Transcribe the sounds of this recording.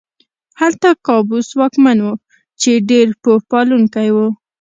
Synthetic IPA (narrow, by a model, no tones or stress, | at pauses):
halt̪akɑbuswɑkmanwu | t͡ʃeɖeɾpohpɑluŋkajwu